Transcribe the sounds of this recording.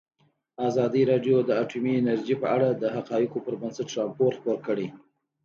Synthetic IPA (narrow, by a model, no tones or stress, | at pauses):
azɑd̪iɾɑɖjod̪əaʈumiɪnaɾd͡ʒipəʔaɽad̪əɦaqɑjɪkopəɾbənsəʈɾɑmpoɾxpoɾkəɽe